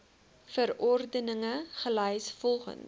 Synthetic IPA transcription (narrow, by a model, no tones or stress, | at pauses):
fəɾɔrdənəŋəχəlœjsfɔlˠχə̰n